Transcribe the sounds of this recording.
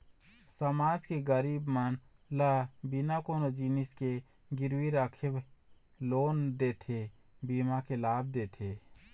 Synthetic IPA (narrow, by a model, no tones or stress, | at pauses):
səmaːd͡ʒkeɡəɾibmən | ləbinakoːnod͡ʒiniske | ɡiɾwiɾəkʰeb | loːnd̪et̪ʰe | bimakelaːbd̪et̪ʰe